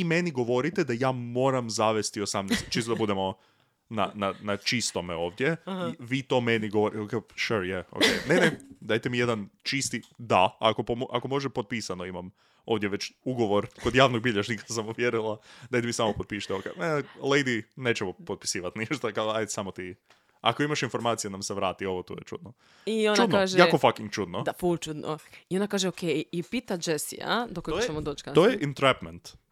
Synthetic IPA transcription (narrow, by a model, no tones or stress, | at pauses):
ime̞niɡo̞ʋo̞ɾit̪ed̪ajaːmo̞ːɾamzaʋe̞st̪iosamnest͡ʃisod̪abud̪emo̞ | nananat͡ʃist̪o̞meo̞ːʋd̪jeʋiːt̪o̞ːmeniɡoʋoɾiokeʃuɾjɛo̰kḛjnened̪ajt̪emije̞d̪ant͡ʃist̪id̪aako̞pomʔako̞mo̞ʒepo̞t̪̚pisano̞imam | oːʋd̪jeʋe̞t͡ɕuɡo̞ʋo̞ɾko̞d̪jaːʋnoɡ̚biʎaʒnikḁsamuʋjeɾulˠad̪ajd̪imisamopod̪̚piʃi̥t̪eoka̰elejd̪ineːt͡ʃemopot̪̚pi̥siːʋat̪niʃt̪akaajd̪samot̪i | a̰koimaʃinfo̞ɾmaːt̪sijenamseʋɾaːt̪io̞ʋot̪o̰ːjet͡ʃṵd̪no | iont͡ʃaud̪naːʒeaːkofakiŋɡ̚t͡ʃud̪nod̪apult͡ʃud̪noionakaːʒeokʰejipit̪ad͡ʒesḭa̰d̪okoɡ̪ojeɛmod̪oːt͡ʃkaojeʔint̪ɾɛpment̪